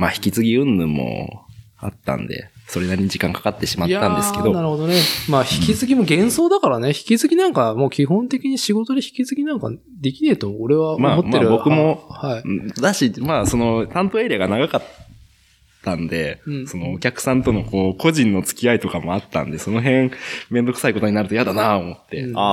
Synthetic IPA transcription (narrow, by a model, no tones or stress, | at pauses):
maːçi̥kʲit͡sɨɡʲiɯ̟̃nːɯmo̰ | a̰t̪ːã̰nd̪e̞̰so̞ɾe̞naɾʲiɲiʑikãŋkḁkat̪ːe̞ɕimaj̪aːãnd̪e̞sɨked̪o̞naɾɯ̟ho̞d̪o̞nemaːçi̥kʲizɨɡʲimo̞ɡẽ̞ɰ̃so̞ːd̪akaɾane̞çi̥kʲizɨɡʲinãŋkamo̞ːkʲihõ̞nt̪e̞kʲiɲ̟iɕiɡo̞t̪od̪eçi̥kʲizɨɡʲinãŋka | d̪e̞kʲine̞ːt̪omoːɾe̞βamamotmaːeːɾɯbo̞kɯ̟mo̞haid̪aɕimaːso̞no̞t̪ãnt̪o̞eːɾiaɡanaɡakat̪ʰː | ãnd̪e̞so̞no̞ːkʲakɯ̟̥sãnt̪o̞no̞ko̞ːko̞ʑĩnːo̞t͡sɨ̥kʲiait̪o̞kamo̞at̪ːã̰nd̪e̞so̞no̞ɦẽ̞mẽ̞nd̪o̞kɯ̟̥saiko̞t̪o̞ɲ̟inaɾɯ̟t̪o̞jad̪anaomo̞t̪ːe̞̰a